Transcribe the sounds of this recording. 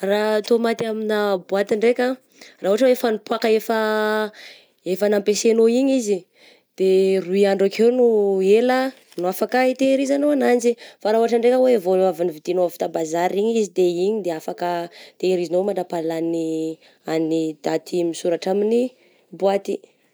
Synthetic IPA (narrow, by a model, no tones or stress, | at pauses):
rat̪omat̪iaminabuat̪iɳɖ͡ʐekʲə | rauaʈ͡ʂəwefanipuakəefə | efənampesenoiɲizi | d̪̥eruiaɳɖ͡ʐakʰewnuelə | nuafakait̪eɾizanoanand͡ʒifaɾauaʈ͡ʂəɳɖ͡ʐekəwevonavinivit̪inoafi̥t̪abazaɾiɲizid̪eiɲid̪eafakət̪eɾizanomaɳɖ͡ʐapalani | anid̪̥at̪ʰimisuɾaʈ͡ʂamini | buat̪i